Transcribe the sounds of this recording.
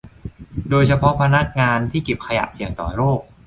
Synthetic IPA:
doː˧jt͡ɕʰa˧pʰɔ˦˥pʰa˧na˦˥k̚ŋaː˧nt̪ʰiː˥˩ki˨˩p̚kʰa˧ja̰˨˩ʔsi˨˩əŋt̪ɔ̰ː˨˩ɾoː˥˩k̚

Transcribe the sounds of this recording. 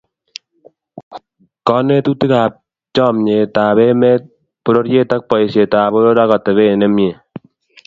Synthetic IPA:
kɔ˦ne˦tu˦ti˦ka˨p̚ | t͡ʃɔ˦˨mɲe˨ta˨βɛ˦mɛ˦t̚ | po˦ɾo˦ɾje˦ta˦k̚pɔ˨i˨sje˨ta˨bo˦ɾo˦ɾa˦kɔ˨tɛ˨βe˦˨ne˦mje˨

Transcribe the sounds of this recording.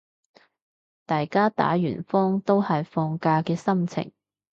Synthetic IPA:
t̪aː˨jkaː˥t̪a̰ː˨˥jyː˨˩nfɔː˥ŋt̪o˥whɐ˨jfɔː˧ŋkaː˧kɛː˧sɐ˥mt͡sʰɪ̰˨˩ŋ

